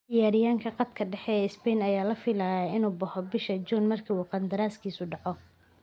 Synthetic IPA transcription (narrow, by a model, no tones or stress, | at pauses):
d̪ɪjaːɾɪjaːŋkʰɐqɑd̪kʰɐɖɛħɛɛɪsbɛnɐjaːlɐfɪlaːjɐɪnuːbɐhɔbɪʃɐt͡ʃʊːnmɐrkʰiːuqɑnd̪ɐɾaːskʰiːsʊɖɑʕɔ